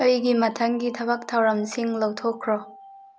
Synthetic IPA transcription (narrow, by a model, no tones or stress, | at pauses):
əjɡimɐtʰɐŋɡitʰɐbɐk̚tʰɐwɾɐmsiŋlowt̪ʰokʰːɾɔ